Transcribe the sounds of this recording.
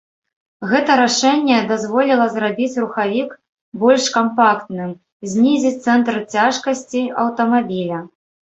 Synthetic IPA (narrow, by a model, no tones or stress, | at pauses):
ɣɛt̪ɐɾaʂɛnʲːɛd̪azvɔlʲilˠɐzrabʲit͡sʲruxavʲik | bɔlʲʂkampakt̪nɨm | zʲnʲizʲit͡sʲt̪sɛnt̪ɾɨt͡sʲaʂkɐsʲt͡sʲiɐ̰wt̪ɐmabʲilʲɐ